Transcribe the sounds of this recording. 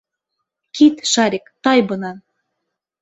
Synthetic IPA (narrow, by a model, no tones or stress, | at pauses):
kit̪ʃɑɾʲekt̪ɑjbɤ̆nɑn